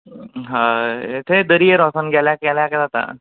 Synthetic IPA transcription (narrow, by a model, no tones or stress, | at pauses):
ɦãet̪ʰed̪əɾieɾɔsənɡʱjaljakaljakad͡zat̪a̰